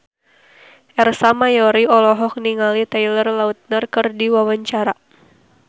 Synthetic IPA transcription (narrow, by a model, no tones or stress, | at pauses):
ʔɛrsamajɔɾiɔlɔɦɔk̚niŋalit̪ailərlaut̪̚nərkɨrdiwawaɲt͡ʃaɾa